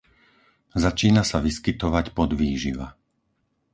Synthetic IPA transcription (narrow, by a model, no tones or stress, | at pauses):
zat͡ʃiːnasaʋiskit̪ɔʋacpɔd̪ʋiːʒiʋa̰